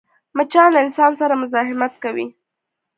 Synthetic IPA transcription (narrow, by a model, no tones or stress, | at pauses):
mət͡ʃɑnlaɪnsɑnsaɾamʊzɑɦɪmat̪̚kawḭ